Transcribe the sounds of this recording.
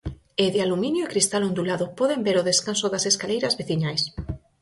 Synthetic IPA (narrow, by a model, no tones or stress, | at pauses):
eðɪalumĩnjoekɾist̪alõnd̪ulaðopɔðembeɾoðeskansoðaseskalejɾɐzβeθiɲajs